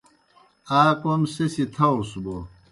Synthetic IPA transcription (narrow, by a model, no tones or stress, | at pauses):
aːkomsesit̪ʰɐwsbo